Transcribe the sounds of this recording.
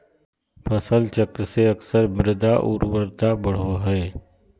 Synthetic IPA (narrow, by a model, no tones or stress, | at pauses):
pʰəsəlt͡ʃəkɾəseəksəɾmɪɾd̪aʔṵːɾwəɾt̪abəɽ̤oɦɛː